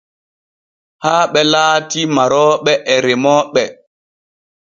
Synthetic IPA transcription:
haːɓɛlaːtimaɾɔːɓɛʔɛɾemɔːɓɛ

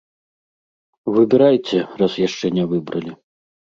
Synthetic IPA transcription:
vɨbʲɛɾajt͡sʲɛrasjaʂt͡ʂɛnʲɛvɨbɾɐlʲi

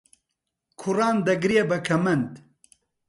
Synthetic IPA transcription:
kʰʊrɑːnd̪ɐɡɾijebɐkʰɐmɐnd̪

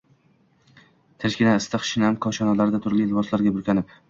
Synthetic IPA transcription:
t̪ʰɪʃkʲɪnaɪst̪aχʃɪnamqʰɒwʃɒnalaɾd̪at̪ʰʊɾlɪlbɒslaɾɡʲabʊlkʲʰanɪp̚

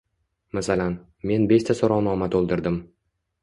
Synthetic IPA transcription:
masalan | me̞nbe̞ʃt̪ʰasoɾɒwnɒmat̪ʰolˠd̪ɪɾd̪ɪm

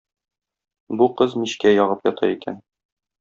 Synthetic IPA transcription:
buqɤzmiɕkæjɒʁɤpjɒt̪ʰɑ̰ikʰæ̰n

